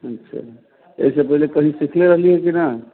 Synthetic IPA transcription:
ətːʃʰa̰ | ḛisepəɦilekəɦĩsikʰleɾəɦliɦɛkina

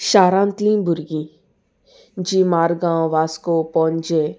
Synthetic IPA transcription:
ʃaːɾãːnt̪lĩbʊɾɡĩ | d͡ʒimaːɾɡãːw̃ʋaːskopɔnd͡ʒe

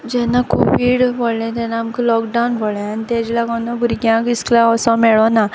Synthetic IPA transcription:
d͡ʑɛnakʰṵʋiɽboɭlɛ̃t̪ɛ̃naːmkilɔkɖawnbʱoɭɛ̃anit̪ɛ̃d͡ʑlaɡɔnːabʱuɾɡjãkisklãɔsɔ̃mɛɭɔna

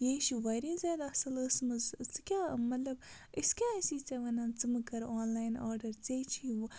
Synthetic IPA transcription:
jeːʃiʋɐɾĩːnzɐːd̪ɐsɐləsmɨzt͡sɨkʲaːmɐt̪lɐb | iskʲaːɐsiːt͡sɐʋɐnaːnt͡sɨmɨkɐɾoːnlaːjnaːɾɖɐɾt͡seːt͡ʃʰi

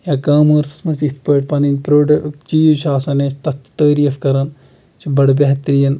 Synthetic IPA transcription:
jaːkaːmoːɾsɐ̥smɐsispɐːʈ̚pɐninpɾoːɖɐt͡ʃiːʃaːsɐneːst̪ɐt̪t̪ɐːɾiːfkɐɾɐn | t͡ʃʰibɐɽbʲɐɦt̪ɾijɐn

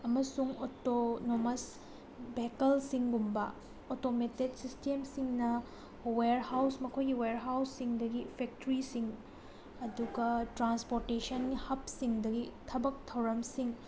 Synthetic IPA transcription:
ɐmɐsuŋotonomɐs | bekɐlsiŋɡumbɐ | otometedsistemsiŋnɐ | weɾhawsmɐkʰojɡiweɾɦawsːiŋdɐɡipʰek̚tɾisiŋ | ɐduɡɐtɾanspoɾtesɐnɡhɐp̚siŋdɐɡitʰɐbɐk̚tʰɐwɾɐmsiŋ

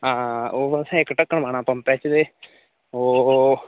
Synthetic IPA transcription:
ãːoːbəsɛ̃ːɪkːʈəkːəɳmaːñãːpəmpɛːt͡ʃd̪eː | oː

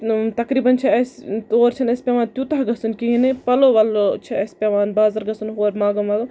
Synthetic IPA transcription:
t̪ɐkɾiːbɐnt͡ʃʰiɐst̪oːɾt͡ʃʰɐnɐsʲpeʋaːnt̪jut̪ɐɦɡɐsunkiɦinepɐloʋaːlot͡ʃʰiɐspʲeʋaːnbaːzɐɾɡɐsunɦoːɾmaːɡɐmaːɡɐ

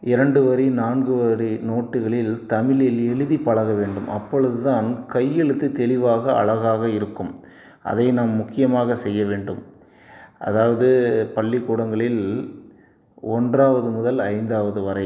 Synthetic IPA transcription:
ɪɾɐɳɖɯʋɐɾinaːnɡɯʋɐɾinoːʈːɯɣɐɭɪlt̪ɐmɪɭɪlɛɭɯðipːɐɭɐɣɐʋeːɳɖɯmʔɐpːɔɻɯðɯt̪aːnkɐjːɛɭɯt̪ːɯt̪ɛɭɪʋaːɣɐɐ̰ɭɐɣaːɣɐɪɾɯkːɯm | ʔɐ̰ðɐɪnaːmːʊkːɪjɐmaːɣɐsɛjːɐʋeːɳɖɯm | ʔɐ̰ðaːʋɐðɯpɐɭːɪkːuːɽɐŋɡɐɭɪl | ɔndraːʋɐðɯmʊðɐlɐɪnd̪aːʋɐðɯʋɐɾɐɪ

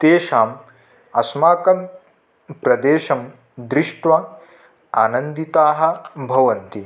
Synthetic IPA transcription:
t̪eːʃaːm | ɐsmaːkɐm | pɾɐd̪eːʃɐm | d̪ɾiʂʈʋɐ | aːnɐnd̪it̪aːɦɐ̆bʱɐʋɐnt̪i

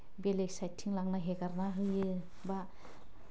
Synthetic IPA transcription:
beleksajtʰːiŋlaŋnaɦeɡaɾnaɦɯjɯ | ba

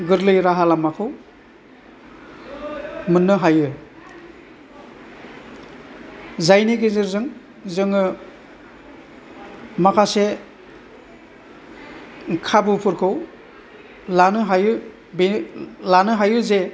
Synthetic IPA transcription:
ɡɯɾlɯjɾaɦalamakʰɯw | mɯnːɯɦajɯ | zajniɡezɯɾzɯŋ | zɯŋɯ | makʰase | kʰabɯpʰɯɾkʰɯw | lanɯɦajɯ | belanɯɦajɯze

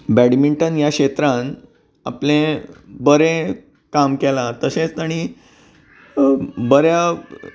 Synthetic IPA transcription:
bæɽmiɳʈənjakɕet̪ɾãn | aplẽbəɾẽ | kamkelat̪əɕẽt͡st̪aɽ̃i | bəɾja

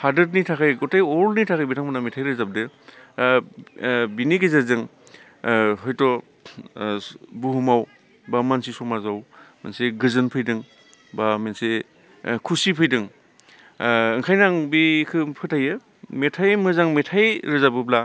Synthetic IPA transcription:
hadɯtnitʰakʰajɡɔtajɔɾlnitʰakʰajbitʰaŋmɯnametʰajɾɯzab̚dɯ | biniɡezazɯŋ | ɦɔjtɔ | buɦumaw | bamansisɔmazawmḛnseɡɯzɯnpʰɯjdɯŋ | bamense | kʰusipʰɯjdɯŋ | ɯŋkʰajnaŋbikʰɯpʰɯtʰajɯ | metʰajmɯzaŋmetʰajɾɯzabɯbla

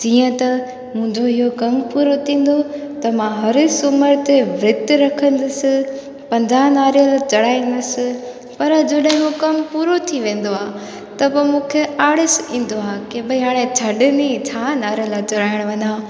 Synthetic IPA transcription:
d͡ʑiːə̃t̪ɐ | mũɦɪ̃ɲd͡ʑoɪɦokɐmpuːɾot̪ʰĩːn̆d̪o | t̪ɐmãɦɐɾsʊməɾt̪eʋɾɪt̪ɾɐkʰə̃nd̪ɪsɪ̆ | pɐ̃ɲd͡ʑaːnaːɾijəlat͡ɕɐɽaːĩnd̪ɪsɪ̆ | pɐɾd͡ʑɐɗɦɪ̃ɦokɐmpuːɾot̪ʰiʋẽːn̆d̪oaː | t̪ɐbɐmũːkʰeaːɽɪsĩːn̆d̪oaːkebɪiɦaːɽ̃ẽt͡ɕʰɐɗɪnit͡ɕʰaːnaːɾjəlat͡ɕɐɽaːɪɽ̃ʋɐɲaː

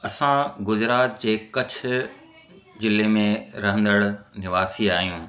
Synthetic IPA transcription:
ɐsãɡʊzɾaːt̪̚d͡ʑeːkɐt͡ɕʰʊ̆ | d͡ʑɪlemẽɾɐɦə̃nd̪əɽnɪʋaːsiaːɦijũː

